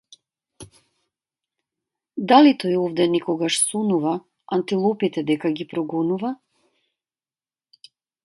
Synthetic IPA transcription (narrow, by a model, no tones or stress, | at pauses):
d̪alit̪ɔjɔvd̪ɛnɛkɔɡaʃsɔnuva | ant̪ilˠɔpit̪ɛd̪ɛkaɡipɾɔɡɔnuva